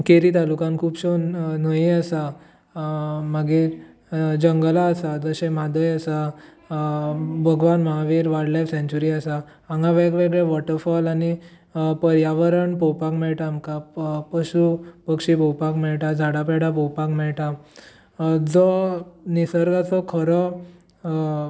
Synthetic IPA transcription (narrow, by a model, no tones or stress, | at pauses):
keɾit̪alukãnkʰuːbɕon̤əiasa | maɡiɾ | d͡ʑəŋɡlaːsad͡zəɕẽmad̪əjasa | bʱəɡʋanmaɦaʋiːɾʋaɽlajfsɛ̃ɲt͡ɕuɾiasa | aŋɡaʋɛɡʋeɡɭɛʋɔʈəɾfɔlani | pəɾjaʋəɾəɳpɔwpakmɛɭʈamkapəɕupəkʂipɔwpakmɛɭʈad͡zʱaɽapɛɽapɔwpakmɛɭʈa | d͡zɔnisəɾɡat͡sɔkʰəɾɔ